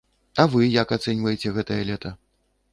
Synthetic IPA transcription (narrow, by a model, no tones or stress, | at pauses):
ɐvɨjɐkat̪sɛnʲvɐjet͡sʲɛɣɛt̪ɐjɐlʲɛt̪ɐ